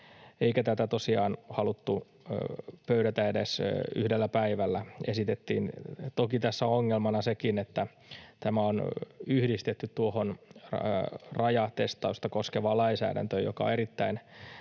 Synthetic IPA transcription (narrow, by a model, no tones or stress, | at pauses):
eikæt̪æt̪æt̪osiɑːnhɑlut̪ːu | pøyɾæt̪æedesyhdelːæpæiʋælːæesit̪et̪ːḭːnt̪okit̪æsːæoŋːelmɑnɑsekinet̪ːæ | t̪æmæonyhdist̪et̪ːyt̪tuohon | rɑjɑt̪est̪ɑust̪ɑkoskeʋɑlɑinsæ̰ːdæ̰nt̪øːjo̰kɑ̰eɾit̪ːæin